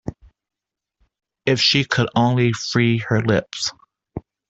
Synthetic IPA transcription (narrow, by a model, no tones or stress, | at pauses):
ɪfʃikʰɨɾõʊ̃nlifɹiə˞lɪps